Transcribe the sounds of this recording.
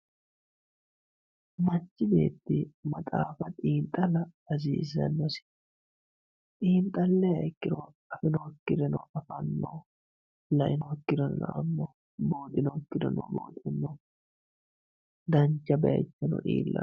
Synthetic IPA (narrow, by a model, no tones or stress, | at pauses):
mɐt͡ʃːɪbeːt̪ːɪmɐt̪ʼaːfɐt̪ʼiːnt̪ʼːɐlɐɐziːzɐ̰nːɔsɪ̥ | t̪ʼiːnt̪ʼɐlːɛjɐkːɪɾɔ | ɐfɪnɔkːɪɾɛnɔ̰ʔɐfɐnːo | lɐʔɪnɔkːɪɾɔn̰nɐ̰ʔɐ̰mːo | boːt̪ʼɪnɔkːɪd̪ɔ̰nɔ̰bo̰ːt̪ʼɪnːɔ | d̪ɐnt͡ʃːɐbɐɐ̰t͡ʃːɛnɔ̰ʔḭːlːɐ̰